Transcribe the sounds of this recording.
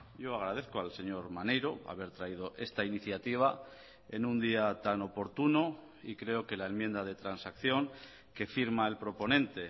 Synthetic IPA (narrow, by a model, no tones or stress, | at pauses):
ɟ͡ʝo̞aɣɾað̞eθkoalse̞ɲo̞ɾmane̞jɾo̞a̰βe̞ɾt̪ɾaið̞o̞ʔe̞st̪ainiθjat̪iβ̞a | e̞̰nũnd̪iat̪ano̞po̞ɾt̪uno | ikɾe̞o̞ke̞lae̞mjend̪að̞e̞t̪ɾansakθjo̞ŋ | ke̞fiɾmae̞lpɾo̞po̞nẽ̞nt̪e̞